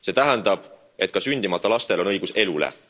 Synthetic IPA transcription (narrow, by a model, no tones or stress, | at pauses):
se̞ːt̪æɦɛnd̪ɑb̥ | e̞t̪̚ːˑkɑsynʲd̪imɑt̪ːˑɑlɑst̪e̞lo̞nɤ̞jɡ̥use̞lulḛ